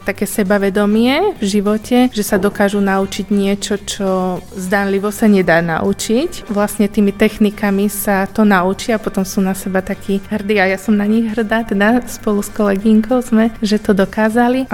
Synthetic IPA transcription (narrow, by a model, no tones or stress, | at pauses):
t̪akɛːsɛbaʋɛd̪ɔmɪɛvʒiʋɔcɛʒɛsad̪ɔkaːʒunaut͡ʃiɟɲɪɛt͡ʃɔt͡ʃɔzd̪anliʋɔsaɲɛd̪aːna̰ʔut͡ʃicʋlasɲɛt̪iːmit̪ɛxnikamisat̪ɔnaut͡ʃiapɔt̪ɔmsuːnasɛbat̪akʰiːɦr̩d̪iːajasɔmnaɲiɣɦr̩d̪aːt̪ɛd̪aspɔluskɔlɛɡiŋkɔʊzmɛʒɛt̪ɔd̪ɔkaːzali